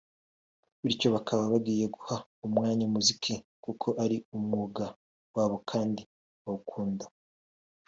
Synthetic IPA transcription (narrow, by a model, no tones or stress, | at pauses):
βiɾco̞βakʰaβaβaɡiːje̞ɡuhaumŋaːɲamuzikʰikukʰo̞ʔaɾiumŋuːɡa | waːβokʰaːndi | βaukʰuːnda